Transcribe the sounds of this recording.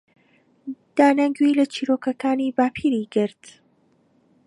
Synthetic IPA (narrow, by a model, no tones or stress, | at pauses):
d̪̥aːnɐŋɡwilɐt͡ʃʰiːɾokɐkaːnibaːpʰiːɾiɡɨɾt̪